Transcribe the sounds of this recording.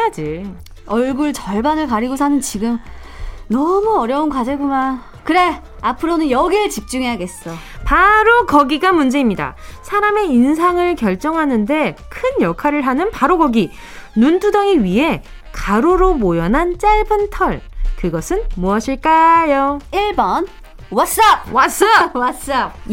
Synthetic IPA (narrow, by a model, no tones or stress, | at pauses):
ad͡ʑi | ʌɭɡuɭt͡ɕʌɭbanɯɭkaɾiɡosʰanɯnt͡ɕiɡɯm | nʌmuʌɾjʌunkwad͡ʑeɡoma | kɯɾe̞ | apʰɯɾonɯnjʌɡit͡ɕip̚t͡ɕ͈uŋeɦaɡe̞s͈ʌ | paɾokʌɡiɡamund͡ʑe̞imɲida̰sʰaɾame̞insʰaŋɯɭkjʌɭt͡ɕ͈ʌŋɦanɯnde̞kʰɯnjʌkʰaɾɯɭɦanɯnpaɾoɡʌɡi | nundʰudʌŋiɥiɦe̞ | kaɾoɾomojʌnɦant͡ɕ͈aɭbɯntʰʌɭkɯɡʌsʰɯnmoʌɕʰiɭk͈ajoiɭbʌn | wʌs͈ap̚wʌs͈awʌs͈ap̚